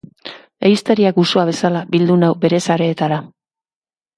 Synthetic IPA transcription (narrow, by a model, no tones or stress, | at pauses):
e̞ist̪eɾiakusoaβ̞e̞salabild̪unawbe̞ɾe̞saɾe̞ːt̪aɾa